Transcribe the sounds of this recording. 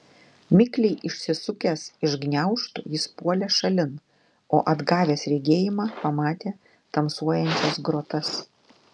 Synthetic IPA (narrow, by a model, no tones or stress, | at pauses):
mʲɪklʲɛɪʔɪʃʲsʲɪsʊkʲɛsɪʒɡnʲɛʊʃt̪ʊ̰jɪspuɔlʲɛʃɐlʲɪn | o̰ːʔɐd̪ɡɑːʋʲeːsɾʲɛɡʲeːjɪmɑːpɐmɑːt̪ʲeː | t̪ɐmsuɔjɛnʲt͡ʃʲɛsɡɾoɔt̪ɐs